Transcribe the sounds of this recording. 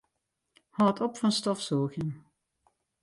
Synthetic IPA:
hɑːtʰɔpfɑnstɔfsoːɣən

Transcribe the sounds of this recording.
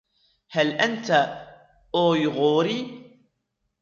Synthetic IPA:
halʔant̪a | ʔoːjɣuːɾi

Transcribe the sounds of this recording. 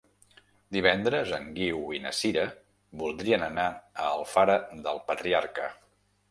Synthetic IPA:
d̪iβ̞ɛnd̪ɾəzəŋɡiwinə̰siɾə | bulˠd̪ɾiənənaəːlˠfaɾəðəlˠpət̪ɾiaɾkə

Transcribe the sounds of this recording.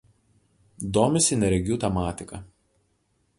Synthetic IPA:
d̪oːmʲɪsʲɪnʲɛɾʲɛɡʲuːt̪ʲɛmɑːt̪ʲɪkɐ

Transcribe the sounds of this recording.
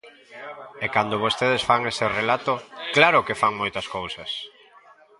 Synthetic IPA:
ekand̪oβost̪eð̞esfaŋeserelat̪oklaɾʊkefaŋmojt̪ɐskowsɐs

